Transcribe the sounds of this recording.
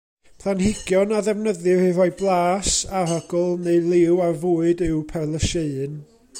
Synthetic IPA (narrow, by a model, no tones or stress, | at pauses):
pʰlˠanhɪɡ̥jɔnaðɛvnəðɨrɨɾɔɨblˠaːsaraɡɔlˠnelˠɪwarvʊːɨdɨwpʰɛlˠəʃeɨn